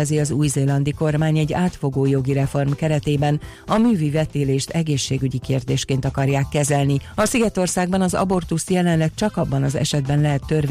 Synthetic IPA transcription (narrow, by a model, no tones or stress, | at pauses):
ɛziɒzuːjzeːlɒnd̪iko̞rmaːɲɛɟːaːt̪fo̞ɡoːjo̞ɡiɾɛfo̞rmkɛɾɛt̪eːbɛn | ɒmyːvivɛt̪eːleːʃt̪ɛɡeːʃːeːɡyɟikeːrd̪eːʃkeːnt̪ɒkɒrjaːkːɛzɛlniɒsiɡɛt̪o̞rsaːɡ̚bɒnɒzɒ̰bo̞rt̪ust̪jɛlɛnlɛk̚t͡ʃɒkɒbːɒnɒzɛ̰ʃɛd̪bɛnlɛɦɛt̪ːørv